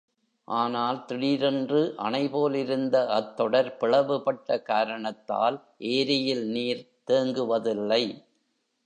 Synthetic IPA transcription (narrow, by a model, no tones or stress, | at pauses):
ʔaːnaːlt̪ɪɽiːɾɪndrɯʔɐɳɐɪpoːlɪɾɯnd̪ɐʔɐt̪ːɔɽɐɾpɪɭɐʋɯpɐʈːɐkaːɾɐɳɐt̪ːa̰ːl | ʔeːɾɪjɪlniːɾ | t̪eːŋɡɯʋɐðɪlːɐɪ